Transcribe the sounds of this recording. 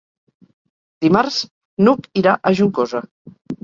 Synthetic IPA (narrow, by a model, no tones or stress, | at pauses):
d̪̥imaɾz | nukiɾaʔəʒuŋkoza